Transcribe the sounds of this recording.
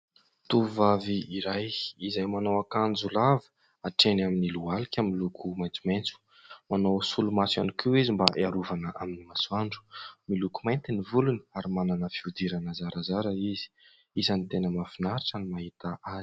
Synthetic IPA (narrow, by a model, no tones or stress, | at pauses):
t̪uvaviiɾajizajmanawakand͡zulav | aʈ͡ʂenaminilualikʲamilukʰumajnt͡sumajnt͡su̥ | manawsulumasa̰nikiwizimbaʔeaɾuvanəʔaminimasuaɳɖ͡ʐu̥milukumajnt̪inivuluni̥aɾimananəfiud̪iɾanazaɾazaɾaizi̥ | izanit̪enəmafinaɾiʈ͡ʂanimaɦit̪aʔazi̥